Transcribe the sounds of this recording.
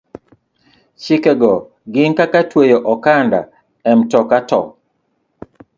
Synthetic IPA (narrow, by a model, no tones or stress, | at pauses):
t͡ʃikɛɡɔ | ɡɪŋkakatwejoʔɔkanda̰ | ɛmtɔkatɔ̰